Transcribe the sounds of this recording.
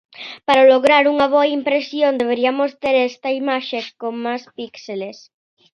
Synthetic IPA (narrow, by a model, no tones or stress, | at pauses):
paɾaloɣɾaɾuŋɐβ̞oaimpɾesjond̪eβ̞eɾiɐmost̪eɾɛst̪ɐimaʃekomaspikseles